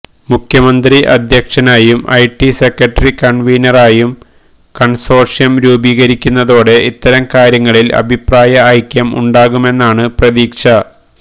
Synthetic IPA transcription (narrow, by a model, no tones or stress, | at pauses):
mukʰjɐmɐnd̪riʔɐ̰d̪ʱjɐkʂɐnaːjumɐ̰jʈːisekɾɐʈːɐrikɐɳʋijnɐraːjum | kɐɳso̞ːrʂjɐmɾuːbiːɣɐɾikʲːunːɐðo̞ːɽe̞ʔit̪ːɐɾɐmkaːɾjɐŋːɐɭilɐ̰bʱipraːjɐːjkʲːjɐmṵɳɖaːɣume̞nːaːɳɨprɐðiːkʂɐ